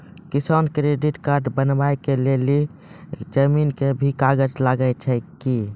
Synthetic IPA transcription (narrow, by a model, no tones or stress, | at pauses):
kisankɾeɖiʈkaɾɖbənbaekeleli | d͡ʒəminkebʱikaɡəd͡ʒlaɡəjt͡ʃʰɛki